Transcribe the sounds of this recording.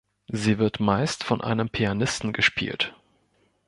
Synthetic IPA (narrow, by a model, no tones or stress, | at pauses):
ziːvɪɐtmaɪstfɔnʔa̰ɪnəmpʰianɪstn̩ɡəʃpʰḭːlt